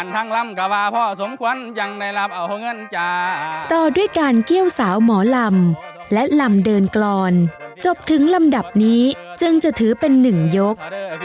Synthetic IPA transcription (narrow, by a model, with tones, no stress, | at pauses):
ʔa˨˩nt̪ʰa˧˥˩ŋla˧˥˩mka˧waː˧pʰɔ˧˩so˩˦mkʰu˧˥ənja˧ŋna˧jla˦˥˩p̚ʔa˨˩wʰɔ˧˥˩ŋɤ˧˥˨nt͡ɕaː˧˩t̪ɔː˨˩du˥˩əjkaː˧nki˥˩əwsaː˩˦wmɔː˩˦la˧m | lɛ˦˥la˧mdɤː˧nklɔː˧nt͡ɕo˨˩p̚t̪ʰɯ˩˦ŋla˧mda˨˩p̚niː˦˥t͡ɕɯ˧ŋt͡ɕa˨˩t̪ʰɯː˩˦pe˧nːɯ˨˩ŋjo˦˥k̚